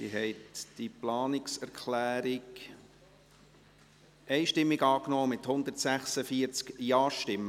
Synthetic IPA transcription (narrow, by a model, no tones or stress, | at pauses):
sḭɦɛɪtd̪̥iplɑːnɪksɛɾkχlæːɾɪɡ | ʔɛɪʃtɪmːiɡɑːknɔːmɪt̪hʊnd̪ərtsæχsəfiəɾt͡skjɑːʃtɪmːə